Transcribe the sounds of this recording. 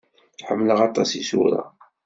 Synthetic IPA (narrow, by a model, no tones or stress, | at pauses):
ħəmːləʁɑt̪ˤɑsisṵɾɑ̰